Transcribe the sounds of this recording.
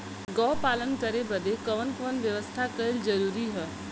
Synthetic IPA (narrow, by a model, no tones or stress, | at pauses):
ɡɔːpaːlənkəɾebəd̪ʱekɐʋənkəʋənʋjɐʋəst̪ʰakɐɪld͡ʒɐɾuːɾiɦə